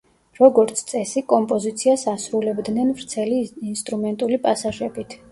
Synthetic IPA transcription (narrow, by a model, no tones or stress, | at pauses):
ɾɔɡɔɾt̪sʰt̪sʼɛsikʼɔmpʼɔzit̪sʰiasasɾulɛbd̪nɛnvɾt̪sʰɛliːnst̪ʼɾumɛnt̪ʼulipʼasaʒɛbit̪ʰ